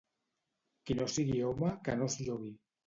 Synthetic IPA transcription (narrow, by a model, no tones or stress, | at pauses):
kinosiɣiomakənozʎoɣi